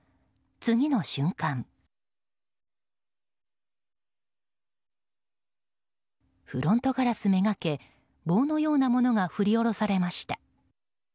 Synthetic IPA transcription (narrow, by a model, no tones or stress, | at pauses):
t͡sɨɡʲino̞ɕɨ̃ŋkãŋ | ɸɯ̟ɾõ̞nt̪o̞kaɾasɨme̞ɡake̞ | bo̞ːno̞jo̞ːnamo̞no̞ŋaɸɯ̟ɾʲio̞ɾo̞saɾe̞maɕi̥t̪a